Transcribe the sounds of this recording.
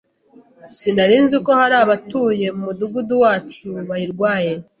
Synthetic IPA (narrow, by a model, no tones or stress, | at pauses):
sinaɾiːnziko̞haɾaːβatuːje̞mumuduɡuduwaːt͡ʃuβajiɾɡwaːje̞